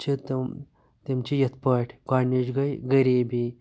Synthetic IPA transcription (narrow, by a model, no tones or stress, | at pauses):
t͡ʃʰit̪ | t̪imt͡ʃʰijɐt̪ʰpɐʈʰɡaːnid͡ʒɡɐjɡɐɾiːbi